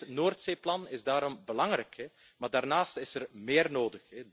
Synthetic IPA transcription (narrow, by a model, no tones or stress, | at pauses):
noːrtseːplɑnɪzdaːɾɔmbəlɑŋrɛkʰɛ | maːrdaːrnaːstɪsərmɪːrnoːdəxɛ